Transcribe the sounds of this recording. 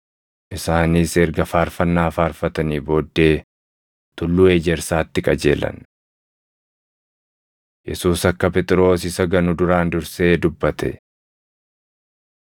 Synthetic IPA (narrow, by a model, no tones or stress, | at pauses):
ʔɪsaːniːsɛɾɡɐfaːɾfɐnːaːfaːɾfɐt̪ɐniːbo̞ːd̪ːe̞ː | t̪ʊlːuːe̞ːd͡ʒɛɾsaːt̪ːɪkʼɐd͡ʒe̞̰ːlɐ̰n | jɛsuːsɐkːɐpɛt̪ʼɪɾo̞ːsɪsɐɡɐnʊd̪ʊɾaːnd̪ʊɾse̞ːd̪ʊbːɐt̪ʰɛ̰